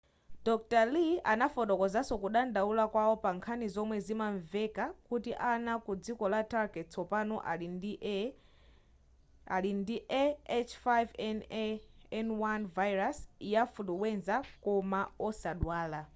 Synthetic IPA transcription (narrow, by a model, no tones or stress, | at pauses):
d̥ɔk̚talianafɔtɔkɔzasɔkuɗandaulakwawɔpaŋkʰanizɔmwɛzimaɱvɛkakutiʔanakud͡zikɔlataɾɡɛtt͡sɔpanɔʔaini | alindiʔɛɛt͡ʃʰfajvn | ɛnwanvajɾasjafutuwɛnzakɔmaɔsaɗwaːla